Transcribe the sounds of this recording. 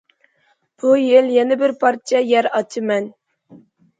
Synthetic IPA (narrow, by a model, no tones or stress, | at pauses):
b̥ujeljɛnɪbɪɾpʰɑɾt̪ʰijɛjɛɾɑt͡ʃʰɨmɛn